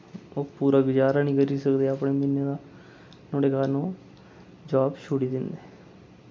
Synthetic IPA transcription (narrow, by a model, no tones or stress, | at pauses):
oːpuːɾaːɡʊd͡ʒaːɾaːnĩːɡəɾiːsəkd̪eːapɽeːmɪnːeːd̪aː | noːɽeːkaːɾnũː | d͡ʒaːbʃuɽiːd̪ɪnd̪eː